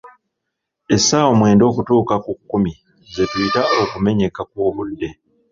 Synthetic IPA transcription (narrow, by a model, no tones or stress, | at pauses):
e̞saːwomwe̞ːndo̞ːkutuːkakukːumi | ze̞twiːtao̞kume̞ɲe̞kakwoːβudːe̞